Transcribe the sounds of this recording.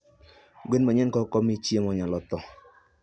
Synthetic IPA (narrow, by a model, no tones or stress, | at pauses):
ɡwenmaɲɛnkɔkɔmit͡ʃjemɔɲalɔt̪ɔ